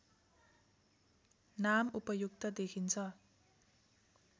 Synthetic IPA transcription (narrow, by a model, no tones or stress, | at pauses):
namupʌjuk̚t̪ʌd̪ekʰint͡sʰʌ